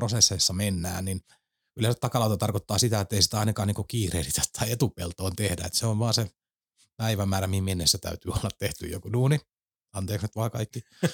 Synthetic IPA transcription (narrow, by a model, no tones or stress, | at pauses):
rosesːeisːɑmenːæ̰ːnnin | ylensæt̪ɑkɑlɑut̪ɑt̪ɑrkot̪ːɑːsit̪æet̪ːeisi̥t̪æɑinɑkɑːniːŋkukiːreilit̪æ̥t̪tʰːɑiet̪upḛlt̪oːnt̪ehdæ̰ḛt̪seoʋʋɑːse | pæiʋæmːæːɾæmihimienːesːæt̪æ̰yt̪yːolːɑt̪teht̪y̰jo̰kunuːni | ɑnt̪eːkset̪ʋɑːkɑikːi